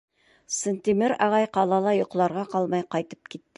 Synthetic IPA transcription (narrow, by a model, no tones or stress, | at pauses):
sə̆nt̪imɪɾɑʁɑjqɑlˠɑlˠɑjŏqlˠɑɾʁɑqɑlˠmɑjqɑjt̪ɤ̥p̚kit̪ː